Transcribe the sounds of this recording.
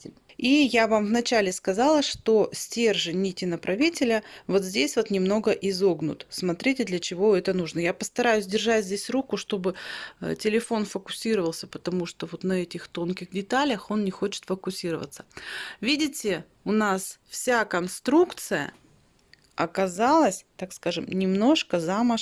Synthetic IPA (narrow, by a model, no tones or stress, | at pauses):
ijavamvnɐt͡ɕælʲɪskɐzɑlˠəʂt̪o̞sʲtʲerʐɨnʲitʲɪnəpɾʔɐvʲitʲɪlʲəvo̞t̪zʲdʲesʲvo̞t̪nʲɪmno̞ɡəʔɪzo̞ɡnʊ̰t̪smɐt̪ɾʲitʲɪd̪lʲɐt͡ɕɪvo̞ɛt̪ənuʐnəjapəst̪ɐɾajʊsʲdʲɪrʐatʲzʲdʲesʲrukʊʂt̪o̞bɨ̰tʲɪlʲɪfo̞nfəkʊ̥sʲiɾəvəlˠsʲəpət̪ɐmuʂt̪o̞vo̞t̪nɐɛtʲɪxt̪o̞nkʲɪxdʲɪt̪alʲəxo̞nnʲɪxo̞t͡ɕɪ̥t̪fəkʊsʲiɾəvə̰t̪sə̥vʲidʲɪtʲɪ | ʊnasfsʲakɐnst̪ɾukt̪sɨjə̰ | ɐkɐzalˠəsʲt̪akskaʐɨmnʲɪmno̞ʂkəzamə